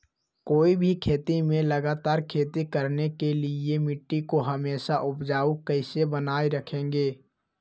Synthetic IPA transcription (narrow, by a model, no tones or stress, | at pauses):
koːibʱikʰeːt̪imẽləɡaːt̪aːɾkʰeːt̪ikəɾnekeliemɪʈːikoɦəmeːsaʔʊpd͡ʒaːukəɪsebənaːeɾəkʰẽːŋ̆ɡeː